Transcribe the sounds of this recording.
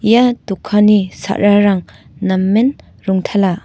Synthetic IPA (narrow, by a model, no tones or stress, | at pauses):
jatukʰːanisa̰ʔɾaɾaŋ | namːen | ɾuŋtʰala